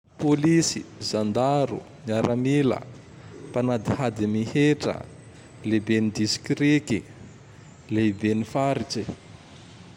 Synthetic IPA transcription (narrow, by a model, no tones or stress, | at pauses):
polisizand̪aɾṵ | niaɾamilə̰ | panad̪ihad̪imiheʈ͡ʂə̰ | lebenid̪isi̥kɾeki | lebenifaɾit͡ʃi